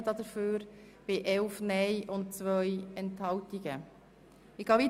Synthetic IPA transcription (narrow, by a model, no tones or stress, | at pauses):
əd̥ɑd̥̪əɾføːɾ | b̥ɪʔɛlfnɛjʔʊntt͡sʋœjɛnthɑltiɡə | ɪɡ̥ɑːvi